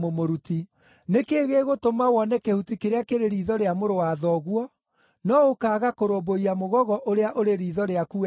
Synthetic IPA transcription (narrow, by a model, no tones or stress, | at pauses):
momoɾuti | nekeːɣeːɣotomawɔnɛkehutikeɾeakeɾeɾiðɔɾeamoɾowaːðɔɣwɔ | nɔokaːɣakoɾoboiamoɣɔɣɔʔoɾeaʔoɾeɾiːðɔɾeaku